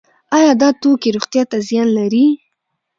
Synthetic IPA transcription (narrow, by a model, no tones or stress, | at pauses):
ɑjɑd̪ɑt̪okeɾoxt̪jɑt̪azjɑnlaɾi